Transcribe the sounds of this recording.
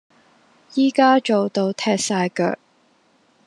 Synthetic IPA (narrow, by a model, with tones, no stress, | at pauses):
jiː˥kaː˥t͡ʃo˨wt̪o˧wt̪ʰɛː˧k̚saː˧jkœ̰ː˨k̚